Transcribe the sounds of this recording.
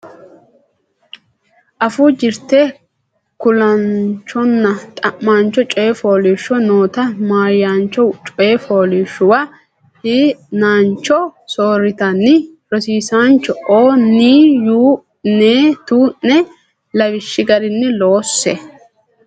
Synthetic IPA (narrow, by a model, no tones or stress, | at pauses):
ʔɐfuːd͡ʒɪɾt̪eː | kʊlɐnt͡ʃːɔnːɐt̪ʼɐmːaːnt͡ʃːɔt͡ʃʼɔjɛfoːlɪːʃːɔno̞ːt̪ɐmaːjːaːnt͡ʃːɔt͡ʃʼɔjɛfo̞ːlɪʃːʊwɐ | hiːnaːnt͡ʃːɔsoːɾɪt̪ɐnːɪɾɔsiːsaːnt͡ʃːɔoːniːjuː | neːt̪uːʔːɛ | lɐwɪʃːɪɡɐɾɪnːɪlo̞ːsːɛ